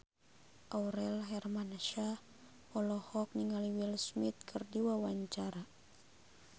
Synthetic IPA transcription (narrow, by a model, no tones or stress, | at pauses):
ʔawɾɛlɦɛrmanaʃa | ɔlɔhɔk̚niŋaliwilsmit̪̚kʰɨrdiwawaɲt͡ʃaɾa